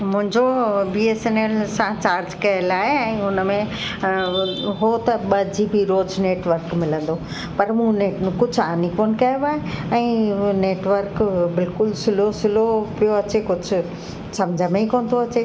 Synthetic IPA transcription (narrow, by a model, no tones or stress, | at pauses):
mʊ̃ɦɪ̃ɲd͡ʑobiːeːseneːlsãt͡ɕaːɾd͡ʑkɐəlaːɦeɛ̃ːʊnəmẽ | ɦoːt̪ɐɓɐd͡ʑibʱiɾoːzneːʈʋəɾkmɪlə̃nd̪o | pɐɾmũneːʈnʊkʊd͡ʑʱʊaːnikoːnɪ̆kɐjoʋaːɦeɛ̃ːneːʈʋəɾkbɪlkʊlsɪlosɪlopijoɐt͡ɕekʊd͡ʑʱʊ̆ | sɐmd͡ʑʱəmẽĩkoːnd̪oɐt͡ɕe